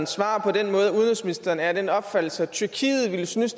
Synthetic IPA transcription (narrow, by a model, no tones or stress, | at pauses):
nsʋɑ̰̈ːpʰɒ̽denmɔ̽ːð̞ˠuð̞ˠnd̥ɔnsminisd̥ɐːnæɐd̥enɒ̽b̥fæd̥l̩sət͡sʰyɐkʰḭːð̞̩ˠʋiləsnys